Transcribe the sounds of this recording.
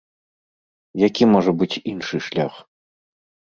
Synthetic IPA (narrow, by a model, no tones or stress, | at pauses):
jakʲimɔʐɐbɨt͡sʲinʂɨʂlʲa̰x